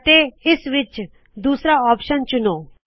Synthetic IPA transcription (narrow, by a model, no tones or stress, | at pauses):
ʈ̪eisʋit͡ɕ | d̪usɾaɔpɕənt͡ɕuno